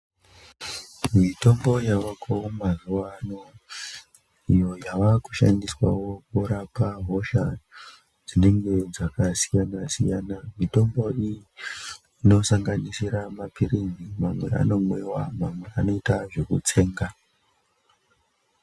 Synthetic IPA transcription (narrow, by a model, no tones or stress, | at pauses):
mito̞mbo̞jaʋakomazuwano̞ | ijo̞jaʋaku̥ʃa̰ndiswa̰wo̞kuɾapaɦo̞ʃa | d͡zine̞ŋɡe̞d͡zakasijanasḭjaːnamito̞mbo̞iji | ino̞saŋɡanisiɾamapirinimamwe̞̰a̰no̞mwewa̰mamwe̞ano̞itaʐe̞kṵt͡se̞ːŋɡa